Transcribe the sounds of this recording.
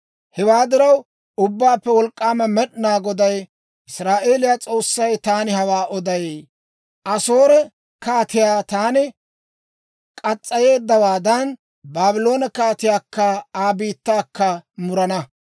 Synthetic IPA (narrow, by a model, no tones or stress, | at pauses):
hɛwaːd̪ɪɾɐw | ʊbːaːpːɛwɔlkʼːaːmɐmɛɗnaːɡɔd̪ɐj | ɪsɾaːʔe̞ːlɪjat͡sʼo̞ːsːɐjt̪aːnɪhɐwaːʔɔd̪ɐje | ʔɐso̞ːɾɛ | kaːt̪ɪjaːt̪aːnɪ | kʼɐt͡sʼːɐje̞ːd̪ːɐwaːd̪ɐn | baːbɪlo̞ːnɐkaːt̪ɪjaːkːɐaːbiːt̪ːaːkːɐmʊɾɐnɐ